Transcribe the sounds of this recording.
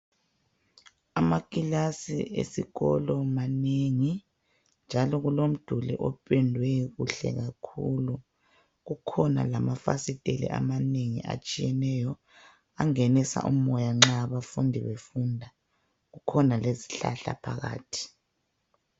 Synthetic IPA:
amakʼilasḭʔḛsiɣɔlɔmaneŋi | nd͡ʒʱalɔɣulom̩d̥ʱulḭʔɔpʰʼɛndʱwɛɣuɬɛ̰ɣakʰuːlu | ɣukʰɔna̰lamafa̰sitʼelḭʔa̰maneŋḭʔa̰t͡ʃʼijɛnɛjɔ | aŋenisa̰ʔṵmɔjaŋ͡ǁaβafundʱiβefundʱa | ɣukʰɔnaleziɬa̰ɬa̰pʰaɣa̰ːtʰi̥

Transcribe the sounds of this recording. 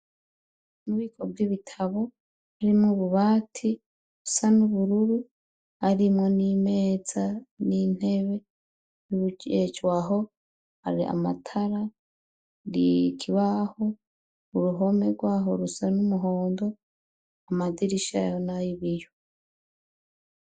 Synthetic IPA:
nuβiːkʰob̚ɡiβitʰaβo̞ | haɾimŋuβuβaːtʰi | ɾusanuβuɾuɾu | haɾimŋo̞nimeːzanin̥e̞βe̞ | juβuɟet͡ʃwaɦo̞ | ha̰ɾiʔa̰ma̰tʰaɾa | ɾḭkʰiβaho | uɾuɦo̞me̞ɡwaːɦoɾusanumuɦo̞ːndo̞ | amadiɾiʃa̰jonajiβijo

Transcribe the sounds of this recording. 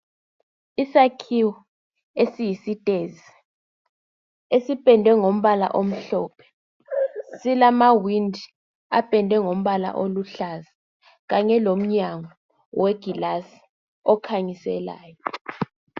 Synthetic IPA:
isakʰiwɔ | esijisitʼeːzi | esipʼɛndʱwɛŋom̩βala̰ʔom̩ɬɔːpʰɛ̥ | silamawindʱi | a̰pʼɛndʱwɛŋom̩ɓala̰ʔoluɬaza | ɣ̬aɲɛlom̩ɲaŋɔ | weɡ̥ʱilasi̥ | ɔkʰaɲisɛ̰la̰ːjɔ

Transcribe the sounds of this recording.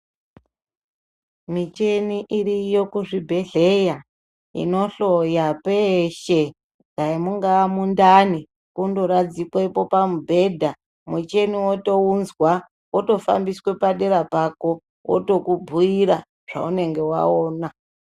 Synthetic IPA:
mit͡ʃeniʔiɾijo̞kuʐibʱe̞ɮe̞ja | ḭno̞ɬo̞japeʃe | ɡaimuŋɡamundani | kundoɾad͡zikweipo̞pamubʱe̞dʱa | mut͡ʃe̞niwoto̞unzwa | woto̞fa̰mbiswe̞paɗe̞ɾapako̞ | wʔo̰to̞kubʱuiɾa | ʐ̥a̰une̞ŋɡe̞wa̰oːna

